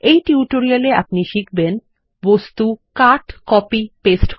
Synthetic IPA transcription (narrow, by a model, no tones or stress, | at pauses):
ejʈiuʈoɾialea̰pniʃikʰben | bost̪ukaɾʈkɔpipesʈ